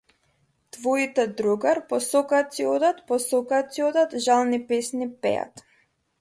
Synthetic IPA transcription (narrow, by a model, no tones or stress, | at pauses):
t̪vɔit̪ɛd̪ɾuɡaɾpɔsɔkat̪siɔd̪at̪pɔsɔkat̪siɔd̪at̪ʒalˠnipɛsnipɛ̰ja̰t̪